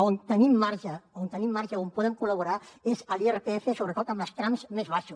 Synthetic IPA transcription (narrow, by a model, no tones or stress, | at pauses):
ont̪ənimːaɾʒəont̪ənimːaɾʒəompɔðəŋkuləβuɾaezəlierepeefesoβɾət̪ot̪əmləskɾamzmezβaʃus